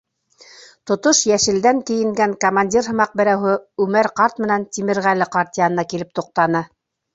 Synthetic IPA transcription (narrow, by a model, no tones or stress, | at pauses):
t̪ŏt̪oʃjæʃɘ̆ld̪æŋk̪ɘ̆jɘ̆ŋɡæŋkomanʲdʲirɦɤ̆mɑq̚bɘ̆ɾæwɦɘʉmæɾqɑɾt̪mɘ̆nænt̪ʲimɘ̆ɾʁælɘqaɾt̪ʲijanɤ̆nɑkilɘp̚t̪uq̚t̪ɑnɤ